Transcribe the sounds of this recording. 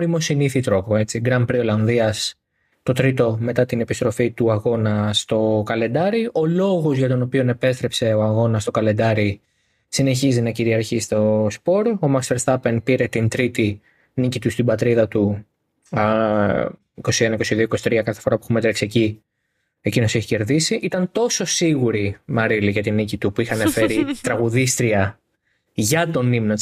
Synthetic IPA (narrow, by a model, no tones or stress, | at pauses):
oɾimo̞siniθit̪ɾo̞po̞e̞t͡siɡɾɐmpɾio̞lɐnðiɐs | t̪o̞t̪ɾit̪o̞me̞t̪ɐt̪ine̞pist̪ɾo̞fit̪uɐɣo̞nɐst̪o̞kɐle̞nd̪ɐɾiʔo̞lo̞ɣo̞zʝɐt̪o̞no̞pione̞pe̞st̪ɾe̞pse̞o̞ɐɣo̞nɐst̪o̞kɐle̞nd̪ɐɾi | sine̞çizinɐciɾiɐɾçist̪o̞spo̞ɾomɐkseɾst̪ɐpenpiɾe̞t̪int̪ɾit̪i | nicit̪ust̪ibɐt̪ɾiðɐt̪u | iko̞sienɐiko̞siðioiko̞si̥t̪ɾiɐkɐθefo̞ɾɐpuexumet̪ɾɐksieci | e̞cino̞se̞çi̥ce̞ɾðisiʔit̪ɐnt̪o̞so̞siɣuɾimɐɾiliʝɐt̪inicit̪upuixɐnefe̞ɾit̪ɾɐɣuðist̪ɾiɐ | ʝɐt̪o̞nimno